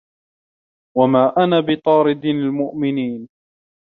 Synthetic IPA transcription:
wamaːʔanaːbɪt̪ˤɑːɾɪd̪almʊʔmɪniːn

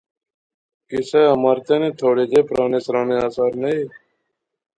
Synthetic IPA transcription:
kɪsɛːɦəmaːɾt̪ẽːnẽːt̪ʰoːɽeːd͡ʒeːpɾaːneːsɾaːnẽːaːsaːɾnəiː

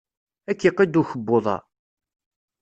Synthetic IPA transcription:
ækːiqːid̪uçəbːoðˤɑ̰

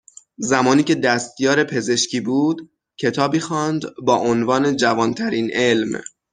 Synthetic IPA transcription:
zæmɒːniːcʰe̞d̪æst̪jɒːɾe̞pʰe̞ze̞ʃcʰiːbuːd̪ | cʰet̪ʰɒːbiːxɒːnd̪bɒːʔonvɒːne̞d͡ʒævɒːnt̪ʰæɾiːnʔe̞lm

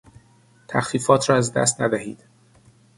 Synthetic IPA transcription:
t̪ʰæ̰xfiːfɒːt̪ʰɾɒːæzd̪æ̰s̬t̪næd̪æhḭːd̪̥

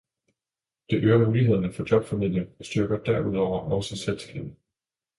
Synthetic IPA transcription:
d̥e̝ʔøːɐnmuːliɦeð̰ˠɐnəfɒ̽d̥ɒ̽b̥fæmiðl̰jɐsd̥yɐɡ̥ɐd̥æɐuð̞̰ˠɒʊ̰ɐɒʊsinselsɡ̥ḛːb̥̩

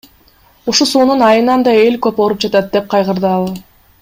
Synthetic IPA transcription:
uʃusuːnunɑjɯnɑnd̪ɑe̞lʲkøpoɾup̚d͡ʒɑt̪ɑt̪̚d̪e̞p̚qʰɑjʁɯɾd̪ɯɑlˠ

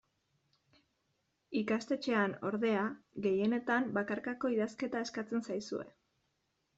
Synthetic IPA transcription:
ikast̪e̞t͡ʃe̞ano̞ɾðe̞aɣe̞je̞ne̞t̪ambakaɾkako̞iðaske̞t̪ae̞skat͡se̞nsajsue̞̰

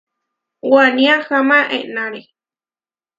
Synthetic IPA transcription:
wanĩaxamãʔḛnãɾe

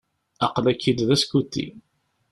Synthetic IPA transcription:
ɑqlækːid̪ðæskut̪ːḭ

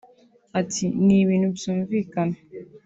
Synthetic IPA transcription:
atiniwinubsumvikan

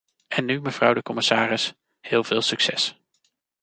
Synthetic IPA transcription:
ɛnːyməv̥rʌwdəkɔmɪsaːrɪs | hɪːlˠv̥ɪːlˠsyksɛs

